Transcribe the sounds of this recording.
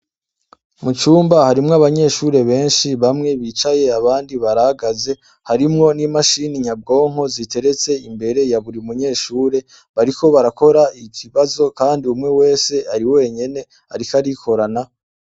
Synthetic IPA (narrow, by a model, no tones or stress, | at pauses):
mut͡ʃuːmbahaɾimŋoaβaɲe̞ːʃuɾe̞βe̞ːnʃiβamŋe̞βiːt͡ʃaje̞aβaːndiβaɾahaɡaze̞ | haɾimŋo̞nimaʃiniɲab̚ɡo̞ːŋho̞zite̞ɾe̞t͡se̞imbe̞ɾe̞jaβuɾiumuɲe̞ːʃuːɾe̞ | βaɾiko̞βaɾako̞ɾaicʰiβazo̞kaːndiumŋe̞we̞ːse̞aɾiwe̞ːɲe̞ne̞ | a̰ɾikaɾikʰo̞ɾana